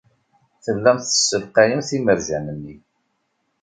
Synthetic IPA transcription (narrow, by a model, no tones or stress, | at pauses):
θəlːæmθə̥sːəlqæjəmθiməɾʒænənːi